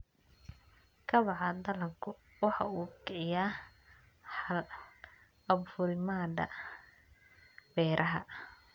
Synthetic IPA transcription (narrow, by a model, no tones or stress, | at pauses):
kʰɐβɑʕɑd̪ɐlɐkʰʊ | wɑħɑ̰uːkʰɛʕɪjaː | l | ɐbfʊɾɪmaːd̪ɐ̰ | bɛːɾʔɐɦɐ̰